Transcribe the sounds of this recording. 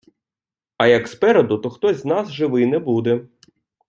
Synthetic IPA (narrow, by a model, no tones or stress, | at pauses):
ɐjɐkspɛɾɔd̪ʊt̪ɔxt̪ɔzʲznasʒɪʋɪnɛbud̪ɛ